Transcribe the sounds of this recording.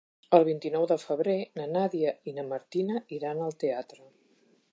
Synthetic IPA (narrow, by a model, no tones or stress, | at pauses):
əlˠβ̞int̪inɔwðəfəβɾenənaðiəinəməɾt̪inəiɾanəlˠt̪eat̪ɾə